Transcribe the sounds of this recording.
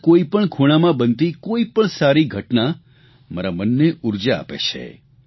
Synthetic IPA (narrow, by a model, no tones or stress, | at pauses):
koipəɳkʰuɽ̃amãbənt̪ikoipəɳsaɾiɡʱəʈna | maɾamənːeʔuɾd͡ʒa̰ːpḛt͡ʃʰḛ